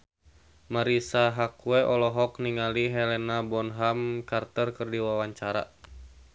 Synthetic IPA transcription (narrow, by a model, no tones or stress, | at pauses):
maɾisaɦakuɛʔɔlɔɦɔk̚niŋaliɦɛlɛnabɔnɦamkart̪ərkɨrdiwawaɲt͡ʃaɾa̰